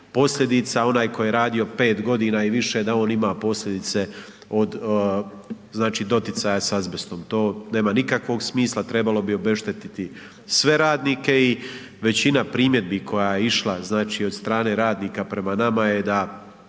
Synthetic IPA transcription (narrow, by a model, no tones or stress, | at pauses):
po̞sʎʲe̞d̪it̪sao̞naːjkojeɾaːd̪io̞pe̞ːt̪ɡo̞d̪iːnaːiʋiʃed̪ao̞ːnimapo̞slʎʲe̞d̪it̪se̞ | od̪ | znaːt͡ʃiːd̪o̞t̪it̪sajasazbest̪o̞mt̪o̞ːne̞ːmanikakʋo̞ɡsmiːslˠat̪ɾe̞balo̞bio̞be̞ʃt̪et̪it̪i | sʋe̞ɾaːd̪niːke̞i | ʋe̞t͡ɕinapɾiːmjed̪̚bikʰo̞jajeiʃlˠaznaːt͡ʃiːo̞d̪st̪ɾaːne̞ɾaːd̪niːkapɾe̞manamaje̞d̪a